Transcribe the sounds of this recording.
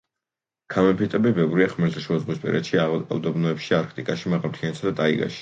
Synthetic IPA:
kʰamɛmpʰit̪ʼɛbibɛvɾiaχmɛɾt̪ʰaʃud̪zʁwispʼɛ̰ɾɛ̰t̪ʃiaa̰lˠd̪ɔbnɔɛpʃiaɾkʰt̪ʼikʼaʃimaʁam̚t̪ʰiant̪ʰad̪at̪ʼaiɡa̰ʃi̥

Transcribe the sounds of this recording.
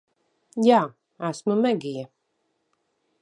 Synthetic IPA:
jaː | æsmumɛɡʲijɛ

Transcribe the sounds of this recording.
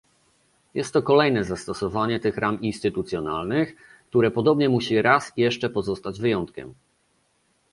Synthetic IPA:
jɛst̪ːɔkɔlɛjnɛzast̪ɔsɔvaɲɛt̪ɘxɾʔaminst̪ɘt̪ut̪sʲjɔna̰lnɘx | k̚t̪uɾɛpɔd̪ɔbɲɛmuɕiɾasjɛʂt͡ʂɛpɔzɔst̪ad͡ʑvɘjɔnt̪kʲɛ̰m

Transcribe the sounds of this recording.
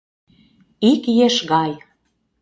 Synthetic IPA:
ikjeʃɣɑj

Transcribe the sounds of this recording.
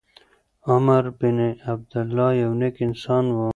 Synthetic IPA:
ɐmɐɾbineɐb̚d̪ɐlːɑːjɐwnekinsɑːnwaː

